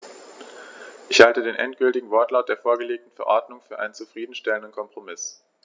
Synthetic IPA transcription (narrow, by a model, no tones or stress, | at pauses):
ʔɪçhaltədeːnʔɛ̰ntɡ̥ʏltɪɡŋ̩vɔɐtlaʊt̚d̥eːɐfoːɐɡəleːk̚tn̩fɛɐʔɔɐdnʊŋfyːɐʔa̰ɪnənt͡sufʁ̥iːdn̩ʃtɛləndənkʰɔmpʁ̥omɪs